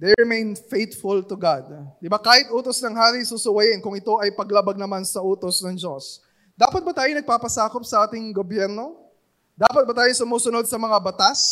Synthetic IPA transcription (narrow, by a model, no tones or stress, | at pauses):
d̪ɛɹɪmejnfejt̪fʊlt̪ʊɡad̪̚d̪ɪbakaːhɪt̪ʔuːt̪osnɐŋɦaːɾisusʊwɐjɪnkʊŋɪt̪o̞ʔɐjpɐɡlabɐɡ̚nɐmansɐʔuːt̪osnɐŋd͡ʒo̞s | d̪aːpɐt̪̚bɐt̪aːjonɐɡ̚paːpɐsaːkop̚sɐʔaːt̪ɪŋɡobjɛɾno̞ | d̪aːpɐt̪̚bɐt̪aːjoŋsʊmoːsʊnod̪̚sɐmɐŋabɐt̪as